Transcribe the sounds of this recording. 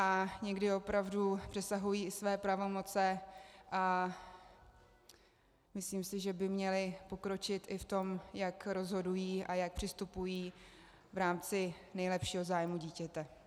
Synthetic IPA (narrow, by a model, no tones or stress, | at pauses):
ʔaɲɛɡdɪo̞pɾavdupr̥ɛsaɦujiːɪsvɛːpɾavo̞mo̞t͡sɛʔa | mɪsliːmsɪʒɛbɪmɲɛlɪpo̞kɾo̞t͡ʃɪt̪ɪft̪o̞mjakɾo̞zɦo̞dujiːʔajak̚pr̥ɪst̪upujiː | vɾaːmt͡sɪnɛjlɛpʃiːɦo̞zaːjmuɟiːcɛt̪ɛ